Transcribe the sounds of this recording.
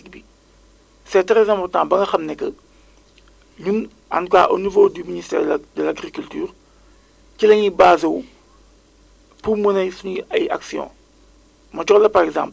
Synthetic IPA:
bi | sɛtɾɛzɛ̃mpɔrtãːbɐŋɡɐxɐmnɛkːɐ | ɲun | ɐ̰nka̰ːʔonivoːdyministɛ̰ːdəlaɡɾikyltyːʁ | cilɐɲibaːzɐw | pumənɐjsunɐja̰ksjɔ̰̃ː | mɐt͡ʃɔlɐpɐɾɛɡzã̰ːmp

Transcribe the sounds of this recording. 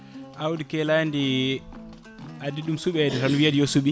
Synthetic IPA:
ʔawdikɛlandi | adiɗumsuɓɛdɛtanuwiadijosuɓi

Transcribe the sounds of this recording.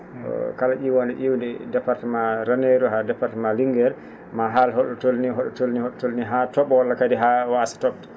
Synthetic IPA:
ɔ̰kalaʔiwɔndɛ̰ʔiwndɛdɛpaɾtɛmaɾaneɾuɦadɛpaɾtɛmaliŋɡɛɾ | maɦalɦɔɗɔtolniɦɔɗɔtolnihɔɗɔtolniɦatɔɓɔwɔlːakadiɦawasḁtɔɓtḁ

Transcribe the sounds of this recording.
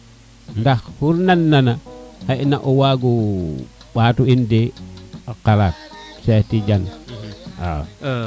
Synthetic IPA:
ndaxhuɾnanːanahaʔnaʔowaɡu | ɓatuindeokalat̚setid͡ʒan | a̰

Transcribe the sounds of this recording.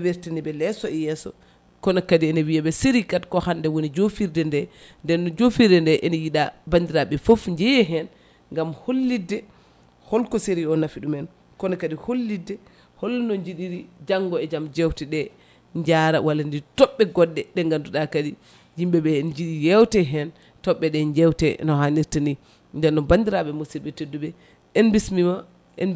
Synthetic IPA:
weɾtinibɛlɛsɔɛjɛsɔ̰ | kɔnakadiɛnɛwiabɛseɾikatkɔhandɛwonid͡ʒofiɾdɛndɛndɛnːɔd͡ʒofiɾdɛndɛʔɛnijiɗabandiɾaɓɛfofɲd͡ʒɛjɛɦɛn | ŋɡamholːidɛ | hɔlkɔseɾiɔnafiɗumɛn | kɔnɛkadiholːidːɛ | holːunɔɲd͡ʒiɗiɾid͡ʒaŋɡɔɛd͡ʒamd͡ʒɛwtɛɗɛ | ɲd͡ʒaɾa̰wʔalːanditɔɓːɛɡɔdːɛɗɛŋɡanduɗakadi | jimbɛɓɛnd͡ʒiɗijɛwtɛɦɛn | tɔɓːɛɗɛɲd͡ʒɛwtɛ̰nɔɦaniɾtini | ndɛnːɔbandiɾaɓɛmusilbɛtedːuɓɛ | ɛnbismima | ʔɛn

